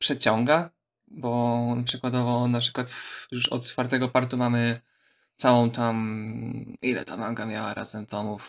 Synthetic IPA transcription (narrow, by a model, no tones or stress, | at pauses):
pʂɛt͡ɕɔ̃ŋɡa | bɔpʂɛkwad̪ɔvɔnapʂɘkwat̪fjuʂɔ̰t̪t̪faɾt̪ɛɡɔpaɾt̪umamɘ | t̪sawɔ̃w̃t̪am | ilɛ̰t̪amaŋɡamʲjawa̰ɾʔa̰z̥ɛmt̪ɔmuf